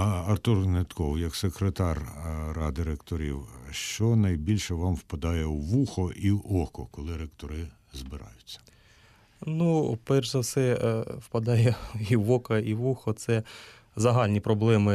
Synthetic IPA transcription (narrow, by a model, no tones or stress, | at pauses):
ɐrt̪urnet̪kɔwjɐksekɾet̪ɑrrɑd̪ɪɾekt̪ɔɾʲḭwʃt͡ʃɔnɐjbʲilʲʃɛʋɑmwpɐd̪ɑjɛwʋuxɔʔiɔkɔkɔlˠɪɾekt̪ɔɾɪ | zbɪɾɑ̰jʊt͡sʲːɐ̥ | nupɛrʒzɐsɛwpɐd̪ɑjɛiʋɔkɐiʋuxɔt̪sɛ | zɐɦɑlʲnʲipɾɔblˠɛmɪ